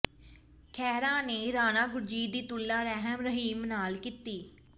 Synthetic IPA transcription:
kʰɛːɾãːneːɾaːnaːɡʊɾd͡ʒiːd̪iːt̪ʊlːaːɾɛɦəmɾəɦiːmnaːlkit̪iː

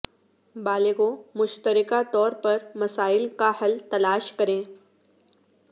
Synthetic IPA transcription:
baːleɡõmʊʃt̪əɾɪkat̪ɔːɾpɐɾmɐsaːɪlkahɐlt̪ɐlaːʃkɐɾẽː

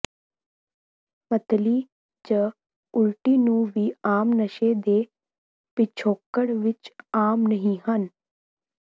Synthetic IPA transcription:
mət̪liː | d͡ʒə | ʊlʈiːnũːʋiːaːmnəʃeːd̪eː | pɪt͡ʃʰoːkːəɽʋɪt͡ʃaːmnəɦĩːɦən

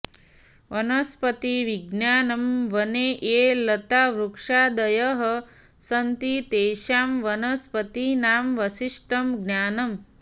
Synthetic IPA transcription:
ʋɐnɐspɐt̪iʋiɡnjaːnɐmʋɐneʔeːlɐt̪aːʋɾukʂaːd̪ɐjɐɦɐ | sɐnt̪it̪eːʃaːmʋɐnɐspɐt̪inaːmʋɐʃiʂʈɐmɡnjaːnɐm

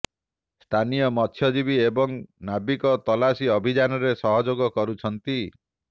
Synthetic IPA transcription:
st̪ʰanijɔmɔt̪ʰjɔd͡ʒibiebɔŋnabikɔt̪ɔlasiɔbʱid͡ʒanɔɾesɔɦɔd͡ʒoɡɔkɔɾut͡ʃʰɔnt̪i

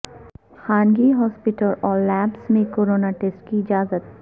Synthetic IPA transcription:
xaːnɡiɦɔːspɪʈəlɔːɾlɛːbsmẽkoːɾoːnaʈeːsʈkiɪd͡ʒaːzət̪̚

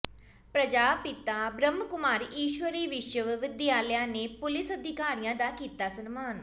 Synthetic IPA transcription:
pɾəd͡ʒaːpɪt̪aːbɾəmːkʊmaːɾiːʃʋəɾiːʋɪʃəʋʋɪd̪jaːljãːneːpʊlɪsəd̪ʱɪkaːɾijãːd̪aːkiːt̪aːsənmaːn

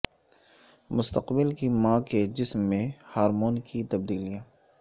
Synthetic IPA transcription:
mʊst̪əqbɪlkimãːked͡ʒɪsmːẽhaːɾmoːnkit̪ɐb̚d̪iːlijãː

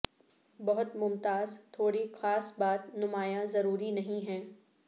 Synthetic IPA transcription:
bɐɦʊt̪mʊmt̪aːzt̪ʰoːɽixaːsbaːt̪nʊmaːjãzɐɾuːɾinɐɦĩɦɛ̃ː

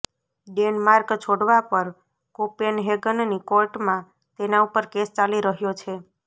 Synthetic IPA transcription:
ɖenmaɾkt͡ʃʰoɽʋapəɾ | kopenɦeɡənnikoɾʈmã | t̪enaupəɾkest͡ʃaliɾəɦjot͡ʃʰe

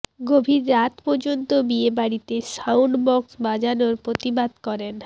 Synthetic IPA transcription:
ɡobʱiɾːat̪pɔɾd͡ʑont̪obiebaɽit̪eʃawɳɖbɔksbad͡ʑanoɾpɾot̪ibad̪kɔɾen

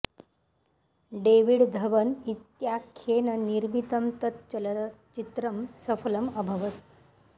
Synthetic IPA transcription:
ɖeʋiɽd̪ʱɐʋənit̪jakʰenəniɾmit̪əmt̪ət̪̚t͡ɕəlt͡ʃit̪ɾəmsəfələməbʱəʋət̪

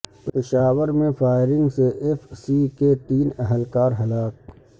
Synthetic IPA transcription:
ppɪʃaːwəɾmẽfʰaːɪɾɪ̃ŋɡseʔefʰsiket̪iːnəɦəlkaːɾɦɐlaːk̚

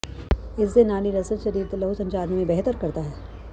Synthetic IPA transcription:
ɪsːenaːniɾɐsət̪ʃɐɾiːɾt̪lɐɦusɐ̃ɲt͡ʃaːɾnimẽbɛɦt̪əɾkɐɾt̪aɦɛː

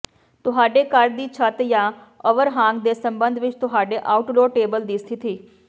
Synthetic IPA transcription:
t̪ʊɦaːɖeːkəɾd̪iːt͡ʃʰət̪jãːəʋəɾɦãːŋɡd̪eːsə̃mbənd̪ʱʋɪt͡ʃt̪ʊɦaːɖeːʔaːʊʈloːʈeːbəld̪iːst̪ʰit̪ʰiː

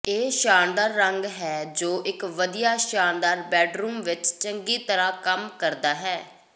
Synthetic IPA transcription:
eːʃaːnd̪aːɾːəŋɡɦɛːd͡ʒoːʔɪkʋəd̪ijaːʃaːnd̪aːɾbɛːɖɾuːmʋɪt͡ʃt͡ʃəŋɡiːt̪əɾãːkəmkəɾd̪aːɦɛː

